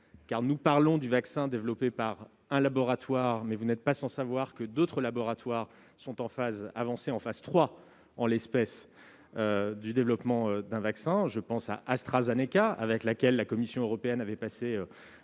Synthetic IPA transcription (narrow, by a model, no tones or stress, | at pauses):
kaʁnupaʁlɔ̃d̪yvaksɛ̃d̪evlɔpepaʁ | ɛ̃labɔʁat̪waʁmɛvunɛt̪̚pasɑ̃savwaʁkəd̪ot̪χəlabɔʁat̪waʁ | sɔ̃t̪ɑ̃faza̰vɑ̃seɑ̃fazt̪χwa | ɑ̃lɛspɛs | ød̪yd̪evlɔpmɑ̃ød̪ɛ̃vaksɛ̃ʒəpɑ̃sa̰ʔast̪χazenekaa̰vɛklakʲɛlːakɔmisjɔ̃øʁɔpeɛnavɛpaseø